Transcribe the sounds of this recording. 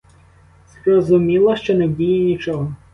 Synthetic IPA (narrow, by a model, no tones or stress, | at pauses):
z̥rɔzʊmʲilˠɐʃt͡ʃɔnɛbʲujɛnʲit͡ʃɔɦɔ